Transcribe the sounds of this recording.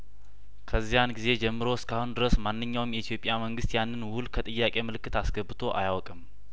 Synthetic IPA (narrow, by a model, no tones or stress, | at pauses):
kʰəzːijanɡize̞d͡ʒɛmːɨɾo̞ɪskʰahund̪ɨɾəsmanːɨɲːawmjɛit̪ʰijo̞pʼːjaməŋɡɨst̪janːɨnwʊlkʰət̪ʼɨjːakʼe̞mɨlɨkːɨt̪asɡəbːɨt̪ʰo̞ʔa̰jawkʼɨm